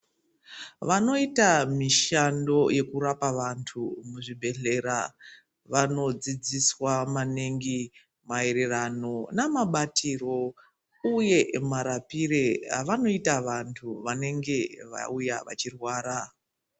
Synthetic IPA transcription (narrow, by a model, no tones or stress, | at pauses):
ʋano̞itamiʃando̞je̞kuɾapaʋantʰumuʐibʱe̞ɮe̞ɾa | ʋano̞d͡zid͡ziswamaneŋɡi | mae̞ɾe̞rano̞namaɓatʰiro̞ | uje̞maɾapireɦaʋano̞itaʋantʰuʋane̞ŋɡe̞ʋa̰ujaʋa̰t͡ʃirwaːɾa